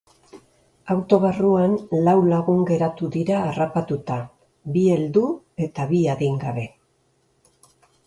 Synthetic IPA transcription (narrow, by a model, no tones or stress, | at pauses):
awt̪o̞βaruanlawlaɣuŋɡe̞ɾat̪uðiɾaːrapat̪ut̪a | bie̞ld̪u | e̞t̪aβiaðiŋɡaβe̞